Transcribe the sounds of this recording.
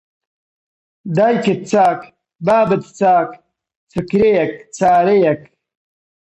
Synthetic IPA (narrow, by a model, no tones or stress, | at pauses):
d̪ajket̪̚t͡saːk | baːbɐt̪i̥t͡saːk | t͡sʰukɾejɐkt͡saːɾejɐk